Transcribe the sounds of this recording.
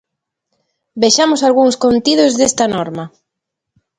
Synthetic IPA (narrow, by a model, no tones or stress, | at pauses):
beʃamosalɣuŋskont̪ið̞ozðest̪ɐnɔɾmɐ